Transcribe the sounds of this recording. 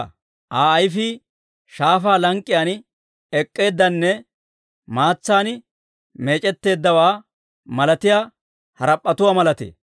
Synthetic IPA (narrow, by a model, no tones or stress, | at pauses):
ʔaːɐjfɪ | ʃaːfaːlɐŋkʼːɪjaːn | ɛkʼːe̞ːd̪ːɐnːɛ | maːt͡sːaːn | me̞ːt͡ʃʼɛt̪ːe̞ːd̪ːɐwaː | mɐlɐt̪ɪjaː | hɐɾɐpʼːɐt̪ʊwaːmɐlɐt̪ḛː